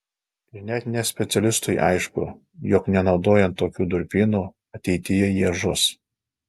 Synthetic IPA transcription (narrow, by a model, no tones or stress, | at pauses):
ɪɾnʲɛt̪nʲɛsʲpʲɛt̪sʲɛlʲɪst̪ʊɪʔɑ̰ɪʃkʊ̰ | jɔknʲɛnɒʊd̪oːjɛnt̪ːoːkʲuːd̪ʊɾʲpʲiːnuː | ɐt̪ʲɛɪt̪ʲɪjɛjiɛʒʊs